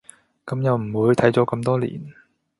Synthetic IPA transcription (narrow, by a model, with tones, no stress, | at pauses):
kɐ˨˥mjɐ˨˧wm̩˨˩wuː˨˧jt̪ʰɐ˨˥jt͡sɔː˨˥kɐ˧mt̪ɔː˥lḭː˨˩n